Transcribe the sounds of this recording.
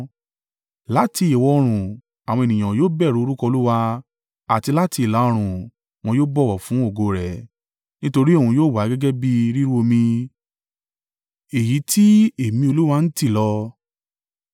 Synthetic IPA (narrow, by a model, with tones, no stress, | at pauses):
la˨˦ti˧˦i˨wɔ˧ɾ̃ũ˨ | a˨w̃ɔ̃˧e˨nĩ˨ã˨joː˦bɛ˦˨ɾu˨˦o˧ɾu˦kɔ˧lu˦wa˧ | a˨ti˧la˦ti˧˨la˨˦ɔ˧ɾ̃ũ˨ | w̃ɔ̃˧joː˦bɔ˦˨wɔ˨fũ˨˦o˦˨ɡo˧ɾɛ˨ | nĩ˦to˧ɾi˦o˦˨ũ˧joː˦˨wa˨˦ɡɛ˦ɡɛ˦bi˦˧ɾi˦ɾu˦o˧mĩ˧ | e˨ji˨˦tʰi˦e˨mĩ˧o˧lu˦wa˧n̩˦ti˦˨lɔ˧